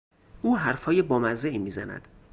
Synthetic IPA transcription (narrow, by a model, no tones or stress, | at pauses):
ʔuːɦæɾfɒːjebɒːmæzeʔimiːzænæ̰d̪̥